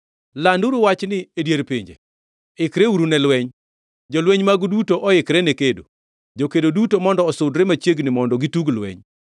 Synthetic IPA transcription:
landuɾuwat͡ʃnɪedjeɾpiɲd͡ʒḛ | ɪkɾeuɾunɛlwɛɲ | d͡ʒɔlweɲmaɡdutoʔɔɪkɾɛnekedo̰ | d͡ʒokedodutomɔndɔːsʊdɾɛmat͡ʃjeɡnɪmɔndɔɡituɡlwɛ̰ɲ

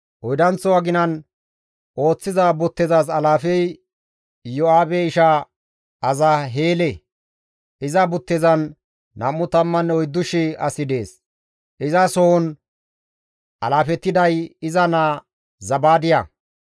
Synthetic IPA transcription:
ʔɔjd̪ɐnt͡sːɔwɐɡɪnɐn | ʔo̞ːt͡sːɪzabʊt̪ːɪzaːs̬ɐlaːfɛj | jɔaːbɛɪʃa | ɐzɐɦeːlɛ | ʔɪzɐbʊt̪ːɪzɐnː | ɐmːʊt̪ɐmːɐnɔjd̪ːʊʃɪɐ̰sɪd̪e̞ːs | ʔɪzɐsɔɔn | ʔɐ̰laːfɛt̪ːɪd̪ɐjɪzɐna | zɐbaːd̪ɪjɐ̰

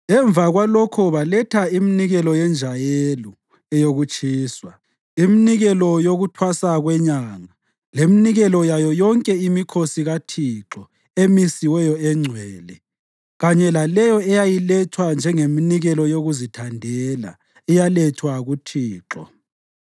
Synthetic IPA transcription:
ɛɱvaɣwalokʰɔβalɛtʰaiminiɣɛlɔjɛnd͡ʒʱajelɔ | ɛjoɣut͡ʃʼʰiːswa | iminiɣɛlɔjoɣutʰwasaɣwɛɲaŋa | leminiɣɛlɔjajɔjɔŋkʼɛimikʰosiɣatʰiǁɔ | emisiwɛjɔɛŋ͡ǀʱwɛːlɛ | ɣaɲɛlalɛjɔɛjajilɛtʰwand͡ʒʱɛŋeminiɣɛlɔjoɣuzitʰandʱɛla̰ | ɛjalɛtʰwaɣutʰiːǁɔ̰

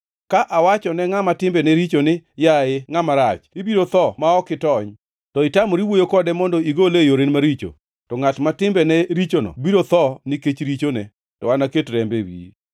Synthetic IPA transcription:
kaʔawat͡ʃɔnɛŋamatɪmbɛnɛɾit͡ʃonɪjaɪŋamaɾat͡ʃibiɾot̪ɔmaɔkɪtɔɲ | tɔɪtamoɾiwojokɔdɛmɔndɔiɡolejoɾenmaɾit͡ʃo̰ | tɔŋatmatɪmbɛnɛɾit͡ʃonɔ̰biɾot̪ɔnɪket͡ʃɾit͡ʃonɛ | tɔwanaketɾɛmbewḭ

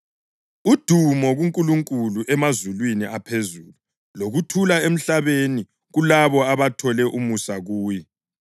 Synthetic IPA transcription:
ud̥ʱumɔɣuŋkʼuluŋkʼuluʔɛmazulwiniʔapʰezuːlu | loɣutʰulaem̩ɬaβeni | ɣulaβɔaβatʰɔlɛʔumusaɣuːji

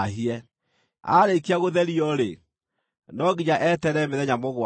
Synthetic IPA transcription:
ɦiɛ | a̰ɾekiaɣoðɛɾiɔɾe | nɔɡiɲaʔɛtɛɾɛmeðɛɲamoɣwa

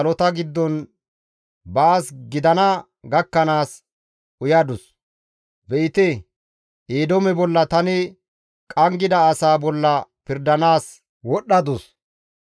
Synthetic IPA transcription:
ɐlɔt̪ɐɡɪd̪ːɔn | bɐːsɡɪd̪ɐnɐ | ɡɐkːɐnaːs | ʔʊjɐd̪ʊs | bɛɪt̪ɛ | ʔeːd̪ɔmɛbɔlːɐt̪ɐnɪ | kʼɐŋɡɪd̪ɐːsaːbɔlːɐpɪɾd̪ɐnaːs | wɔɗɐd̪ʊs

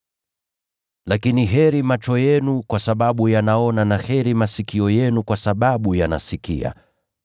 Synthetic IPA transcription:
lakiniɦɛɾimat͡ʃɔjɛnukwasaɓaɓujanaɔnanahɛɾimasikiɔjɛnukwasaɓaɓujana̰sikḭa̰

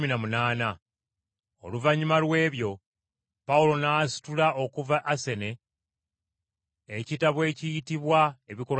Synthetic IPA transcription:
minamunaːna | o̰luvaɲimalwe̞ːβjo̞ | paulo̞naːsi̥tulao̞kuvaʔːse̞ne̞ | citaβwe̞ːcijitiβwaeβiko̞

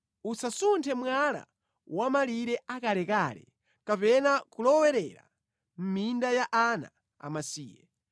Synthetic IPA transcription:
usasuntʰɛmwala̰ | wamaliɾɛakalɛkalɛ̰ | kapɛnakulɔwɛɾɛɾa̰ | m̩mindajaʔana̰ | a̰masḭːjɛ̰

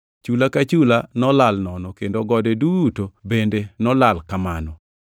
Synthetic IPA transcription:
t͡ʃulakat͡ʃulanɔlalnɔnɔkendoɡɔdedutobendenɔlalkamanɔ

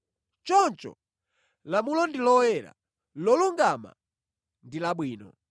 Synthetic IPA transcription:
t͡ʃɔnt͡ʃɔ̰ | lamulɔndilɔwɛɾa̰ | lɔluŋɡama̰ | ndilaɓwiːnɔ̰

